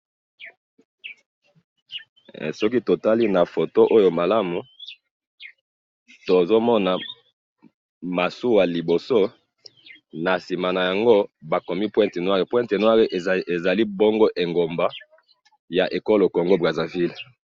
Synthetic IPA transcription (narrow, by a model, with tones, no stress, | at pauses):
sɔ˦ki˦to˨ta˦li˦na˨fo˨to˦ʔo˦jo˨ma˨la˦mu˨ | to˨zo˦mɔ˦na˨ | ma˨su˦wa˨li˨bo˨so˦ | na˨si˨ma˨na˨ja˨ŋɡo˦ba˨ko˨mi˦pwɛ̃˦nte˨nwa˦ʁe˨pwɛ̃˦nte˨nwa˦ʁe˨ʔe˨za˨li˦bo˦ŋɡo˦ʔe˨ŋɡo˨mba˦ | ja˨ʔe˨ko˦lo˨ko˨ŋɡo˦bʁa˨za˨vi˦l